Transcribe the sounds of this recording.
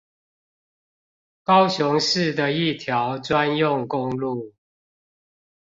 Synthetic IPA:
kɑ˦ʊɕʊ˧˦ŋʂɻ̩˥˨d̪ə˨i˥˨t̪ʰjɑ˨˦ʊt͡swa˦njʊ˥˨ŋkʊ˦ŋlu˥˨

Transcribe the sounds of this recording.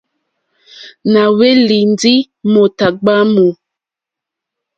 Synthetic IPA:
na˨we˦li˨n˦di˦ | mo˨ta˨ɡ͡ba˦mo˨

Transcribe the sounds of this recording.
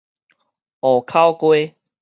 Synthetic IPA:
ɔ˨˩kʰa˦wkwe˦

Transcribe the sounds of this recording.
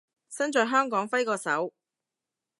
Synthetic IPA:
sɐ˥nt͡ʃœː˨˧jɦœː˥ŋkɔː˨˥ŋfɐ˥jkɔː˧sɐ˨˥w

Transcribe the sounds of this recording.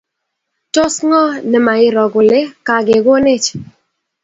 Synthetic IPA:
tɔ˦sŋɔ˦nɛ˨ma˨ɪ˦˨ɾɔ˨ɡʊ˨le˦ka˨ɡe˨ɡo˦nɪ˦t͡ʃ

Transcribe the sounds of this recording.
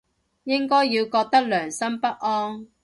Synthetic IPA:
jɪ˥ŋkɔː˥jːiː˧wkɔː˧k̚t̪ɐ˥k̚lœː˨˩ŋsɐ˥mpɐ˥t̚ʔɔː˥ŋ

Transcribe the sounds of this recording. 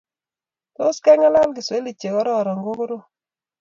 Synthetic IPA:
to˦skɛ˦ŋa˦la˦lɡɪ˨se˦li˨t͡ʃe˨kɔ˦ɾɔ˦˨ɾɔ˨ŋɡo˦ɡɾo˦

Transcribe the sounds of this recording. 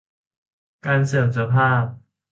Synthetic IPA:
kaː˧nsɯ˨˩msa˧pʰaː˥˩p̚

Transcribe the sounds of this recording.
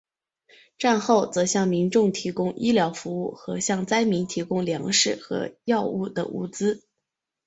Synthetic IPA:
ʈ͡ʂa˥˧nxo˥˩ʊt͡sɤ˧˥ɕjɑ˥˩ŋmi˧˥nʈ͡ʂʊ˥˩ŋt̪ʰi˧˥kʊ˥ŋʔi˥ljɑ˧˥ʊfu˧˥u˥˩xɤ˧˥ɕjɑ˥˩ŋt͡sa˥ɪmi˧˥nt̪ʰi˧˥kʊ˥ŋljɑ˧˥ŋʂɻ̩˥˩xɤ̰˧˥jɑ˥˧ʊu˥˩d̪ə̰˩ʔṵ˥˩t͡sɹ̩˥

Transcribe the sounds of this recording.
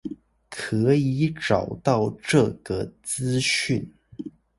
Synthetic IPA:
kʰɤ˧˥i˧˥˦ʈ͡ʂɑ˨˩ʊt̪ɑ˥˧ʊʈ͡ʂɤ˥˩ɡə˩t͡sɹ̩˥ɕy˥˩n

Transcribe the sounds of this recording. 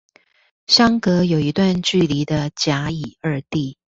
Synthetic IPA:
ɕɑ˥ŋkɤ˧˥jo˨˩ʊi˧˥t̪wa˥˧nt͡ɕy˥˩li˧˥d̪ə˧t͡ɕja˧˥i˨˩ə˞˥˧t̪i˥˩

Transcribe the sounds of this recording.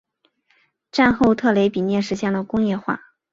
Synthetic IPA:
ʈ͡ʂa˥˧nxo˥˧ʊt̪ʰɤ˥˩le˧˥ɪpi˨˩njɛ˥˩ʂɻ̩˧˥ɕjɛ˥˩nlə˩kʊ˥ŋjɛ˥˧xwa̰˥˩

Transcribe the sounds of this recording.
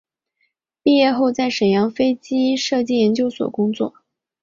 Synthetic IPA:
pi˥˧jɛ˥˧xo˥˧ʊt͡sa˥˩ɪʂə˨˩njɑ˧˥ŋfe˥ɪt͡ɕi˥ʂɤ˥˧t͡ɕi˥˩jɛ˧˥nt͡ɕjo˥ʊswɔ̰˨˩kʊ˥ŋt͡swɔ̰˥˩

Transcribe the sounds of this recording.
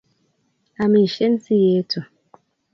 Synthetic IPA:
a˨mi˨i˨ʃe˦n̩˦ti˦je˨˦tʰʊ˨

